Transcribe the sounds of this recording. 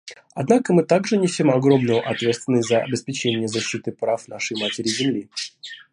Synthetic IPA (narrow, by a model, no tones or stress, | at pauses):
ɐd̪nakəmɨt̪aɡʐɨnʲɪsʲimɐɡɾo̞mnəjəʔɐt̪vʲet̪t̪vʲɪnːəsʲtʲzəɐ̰bʲɪspʲɪt͡ɕenʲɪjəzɐɕːit̪ɨpɾafnaʂɨjmatʲɪɾʲɪzʲɪmlʲi